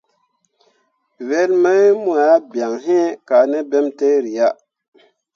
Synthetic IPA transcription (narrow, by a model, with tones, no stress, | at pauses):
ve˦lma˦mu˦a˨ja˦bja˨ŋɦe˦ka˨ne˦bɛ˦mte˦ɾi˨ja˦